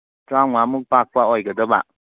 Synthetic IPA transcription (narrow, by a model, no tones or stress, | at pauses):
tɾawŋamuk̚pak̚paɔjɡəd̪ɔba̰ʔ